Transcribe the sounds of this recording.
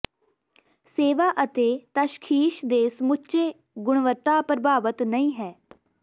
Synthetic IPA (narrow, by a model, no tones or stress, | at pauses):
seːʋaːʔət̪eːt̪əʃkʰiːʃd̪eːsmʊt͡ʃeː | ɡʊɳʋət̪ːaːpɾəbʱaːʋət̪nəĩːɦɛː